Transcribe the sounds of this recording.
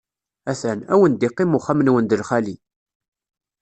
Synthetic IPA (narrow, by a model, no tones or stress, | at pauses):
æθænæ̰wənd̪iqːimʊχamənwənd̪əlχæli